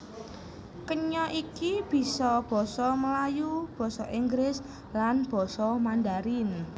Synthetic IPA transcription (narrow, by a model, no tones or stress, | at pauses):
kəɲɔʔikib̥i̤sɔb̥ɔ̤sɔməlajub̥ɔ̤sɔʔiŋɡɾɪs | lanb̥ɔ̤sɔmand̪aɾɪn